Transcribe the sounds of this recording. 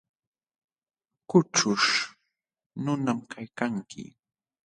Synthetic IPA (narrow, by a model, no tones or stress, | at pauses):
kʊʈ͡ʂʊʂ | nʊnamkʰajkaŋkʰɪ̰